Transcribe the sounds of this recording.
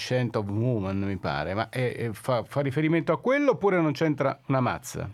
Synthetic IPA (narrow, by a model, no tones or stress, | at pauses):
t͡ʃɛnt̪ɔvwuːmanmipa̰ːɾema̰ʔɛfafarːifeɾiment̪oakːwelːopːuːɾenont͡ʃɛnt̪ɾa̰unama̰t̪sːa̰